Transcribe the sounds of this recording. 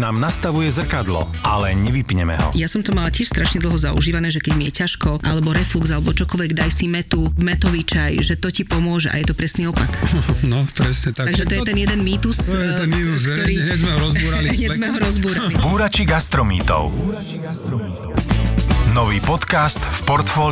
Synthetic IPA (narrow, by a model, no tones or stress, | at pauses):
naːmnast̪aʋujɛzr̩kad̪lɔ̰ | alɛɲɛʋipɲɛmɛ̰ɦɔ̰jasɔmt̪ɔmalacɪɛʃst̪ɾaʃɲɛd̪l̩ˠɦɔzaṵʒiːʋanɛːʒɛkɛɟmijɛcaʃkɔʔalɛbɔɾɛflukzalɛbɔt͡ʃɔkɔlʋɛɡd̪ajsimɛt̪umɛt̪ɔʋit͡ʃajʒɛt̪ɔcipɔmʊɔʒɛʔa̰jɛt̪ɔpɾɛsniːɔpaknɔpɾɛsɲɛt̪at̪aɡʒɛt̪ɔjɛt̪ɛnjɛd̪ɛnmiːt̪usɛɛnit̪uzɔɾiːɲɛzmɛɦɔɾɔzbuːɾaliɲɛzmɛɦɔɾɔzbuːɾalibuːɾat͡ʃiɡast̪ɾɔmḭːt̪ɔ̰ʊ | nɔʋiːpɔt̪kast̪fpɔɾt̪fɔːl